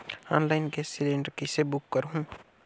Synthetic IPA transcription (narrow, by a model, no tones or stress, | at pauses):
ɔːnlaɪnkesɪlẽːɳɖəɾkisebʊkːəɾɦũː